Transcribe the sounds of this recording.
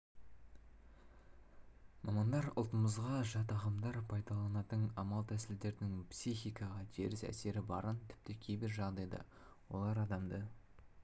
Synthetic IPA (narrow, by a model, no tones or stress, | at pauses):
mʔɑmɑnd̪ɑɾʊ̰lˠt̪əməzʁɑʒɑt̪ɑʁɑmd̪ɑɾpʰɑjd̪ɑlˠɑnɑt̪əɴɑmɑlˠt̪ʰæsɪld̪e̞ɾd̪ɪŋpsiχijkɑʁɑd̪e̞ɾɪsæ̰se̞ɾɪbɑɾənt̪ʰɪ̥p̚t̪ɪkʲʰejbɪɾʒɑʁd̪ɑjd̪ə̰ | wo̞̰lˠɑɾɑd̪ɑmd̪ə